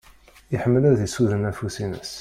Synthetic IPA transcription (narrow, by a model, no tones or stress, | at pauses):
əħəmːəlæðisuðənæfusinə̰s